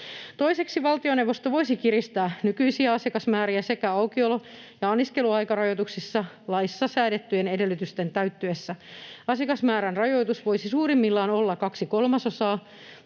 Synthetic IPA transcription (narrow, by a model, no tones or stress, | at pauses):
t̪o̞ise̞ksiʋɑlt̪ioneʋost̪oʋo̞isikirist̪æːnykyisiæɑsikɑsmæːɾiæse̞kæɑukiolojɑɑnːiske̞luɑikɑrɑjot̪uksisːɑ | lɑijsːɑsæːdet̪ːyjenede̞lːyt̪yst̪ent̪æyt̪ːøesːæɑsikɑsmæːɾænrɑjo̞jt̪usʋo̞isisuːrimːilːɑːnolːɑkɑksiko̞lmɑso̞sɑː